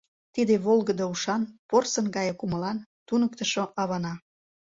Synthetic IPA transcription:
t̪id̪eβolɣəd̪ouʃɑnporsənɡɑjekuməlɑnt̪unək̚t̪ə̆ʃoʔɑβɑnɑ

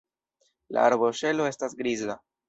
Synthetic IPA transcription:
la̰ːɾboʃe̞lo̞e̞stasɡɾiza

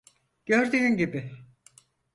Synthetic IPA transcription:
ɟ̥øɾd̪yynɟibɪ

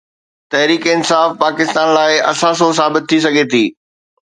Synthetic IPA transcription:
t̪ɐɦɾiːkɪnsaːfpaːkɪst̪aːnlaːɪɐ̰sãːs̬os̬aːbɪt̪ʰːisɐɡʱet̪ʰiː

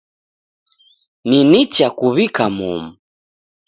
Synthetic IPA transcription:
ninit͡ʃakuβikamṵmu

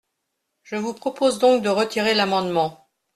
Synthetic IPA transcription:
ʒəvupχɔpozd̪ɔ̃k̚d̪əʁət̪ʰiʁelamɑ̃d̪mɑ̃

